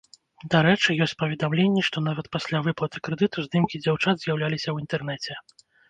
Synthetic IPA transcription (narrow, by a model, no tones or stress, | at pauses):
d̪aɾɛt͡ʂɨjɔsʲt͡sʲpɐvʲɛd̪amlʲenʲːɛʂt̪ɔnavɐt̪pasʲlʲavɨplˠɐt̪ɨ̥kɾɛd̪ɨt̪uzd̪ɨmkʲid͡zʲawt͡ʂad̪zʲjawlʲalʲisʲɐwint̪ɛrnɛt͡sʲɛ